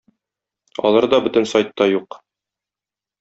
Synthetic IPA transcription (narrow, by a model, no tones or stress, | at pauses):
ɒ̰lˠɤɾd̪ɒbɵ̆t̪ɘ̆nsɑjt̪ːɑjuq